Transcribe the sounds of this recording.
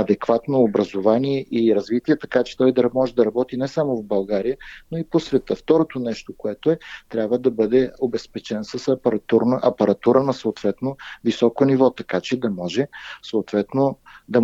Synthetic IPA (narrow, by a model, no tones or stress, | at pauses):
ɐd̪ɛkvat̪noːbɾɐzovaniɛʔiɾɐzvit̪iɛt̪ɐkat͡ʃɛ̥t̪ɔjd̪ɐɾmɔʒɛd̪ɐɾɐbɔt̪inɛsamovbɐlˠɡaɾijənoiposvɛt̪əft̪ɔɾot̪onɛʃt̪okoɛt̪oɛt̪ɾʲabvəd̪ɐbɤd̪ɛobɛspɛt͡ʃɛnsɐsɐpɐɾt̪uɾnʔɐpɐɾɐt̪uɾənɐsoot̪vɛt̪novisɔkonivɔt̪ɐkat͡ʃɛd̪ɐmɔʒɛsoːt̪vɛt̪nod̪ɐ